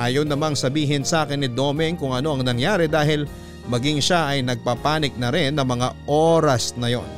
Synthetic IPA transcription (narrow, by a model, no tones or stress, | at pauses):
ʔajɐwnɐmaŋsɐbiːɦɪnsaːkɪnːɪd̪o̞ːmɪŋkʊŋʔɐno̞ʔɐŋnɐŋjaːɾɛd̪aːɦɪl | mɐɡɪŋʃaʔɐjnɐɡ̚papaːnɪk̚nɐɾɛnːɐŋmɐŋaʔo̞ɾɐsnɐjo̞̰n